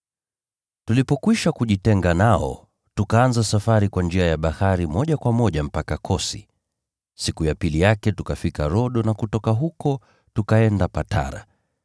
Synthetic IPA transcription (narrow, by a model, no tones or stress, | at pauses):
tulipɔkwiʃakuʄitɛŋɡanaɔ̰ | tukaanzasafaɾikwand͡ʒiajaɓahaɾimɔʄakwamɔʄam̩pakakʰɔsi̥̰ | sikujapilijakɛtukafikaɾɔɗɔnakutɔkaɦukɔ | tukaɛndapatʰa̰ɾa̰